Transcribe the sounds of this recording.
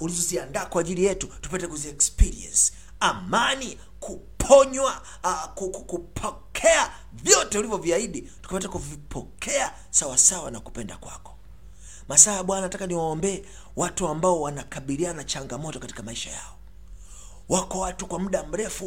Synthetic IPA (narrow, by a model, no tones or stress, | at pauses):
ulizɔziandaːkwaːʄilijɛtutupatɛkuziɛkspiɾiɛ̰nsi̥ | amani | kʰupʰɔɲwa | kukukupʰɔkʰɛa | vjɔtɛulivjɔviaiɗi | tu̥kapatakuvipʰɔkʰɛa | sawasawanaku̥pɛnda̰kwa̰kɔ̥ | masajaɓwanaatakaniwaɔmbɛː | watuambaɔwanakaɓilianat͡ʃaŋɡamɔtɔkati̥kamaiʃa̰ja̰ɔ | wakɔwatukwam̩ɗam̩ɾɛfu